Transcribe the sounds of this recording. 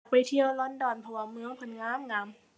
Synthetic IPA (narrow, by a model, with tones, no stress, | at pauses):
k̚pa˨jt̪ʰi˧˨əwlɔ˧˥˨ndɔː˨˩npʰɔ˧˩waː˧˩mɯ˧˥ə˨ŋpʰo˧˩nŋaː˧˥˨mŋaː˧˥˩m